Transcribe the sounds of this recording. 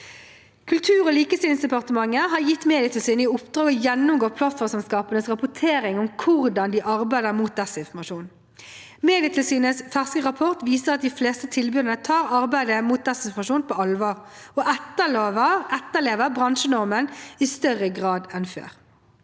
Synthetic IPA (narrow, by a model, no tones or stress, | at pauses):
kʰʉlt̪ʰʉːʁoːliːkəst̪ɪlɪŋsd̪ɛpɑʁt̪əmɑŋːəɦɑɾjɪt̪ːmeːd̪ɪɑt̪ɪlsiːnəʊpd̪̥ʁɑːɡɔjɛnːʊmɡoːʁpʰlɑt̪fɔʁmsɛmskɑːpənəsʁɑpʊt̪ʰeːɾɪŋʊmkʰʊʁd̪ɑnd̪iʔɑʁbæɪd̪əʁmuːt̪̚d̪ɛsɪnfɔmɑʃuːn | meːd̪ɪɑt̪ʰɪlsiːnəsfæʁskəʁɑpʰɔʁt̪ʋiːsəʁɑt̪̚d̪ɪfleːst̪ət̪ʰɪlbʉːd̪ənət̪ʰɑːʁɑʁbæɪd̪əmuːt̪̚d̪ɛsɪnfɔmɑʂuːnpʰoɔɑlʋɑːʁɔʔɛt̪ːəloːʋəɛt̪ːəleːʋəbʁɑnʃənɔʁmənɪst̪œʁːəɡʁɑːd̪ɛnfø̰ːʁ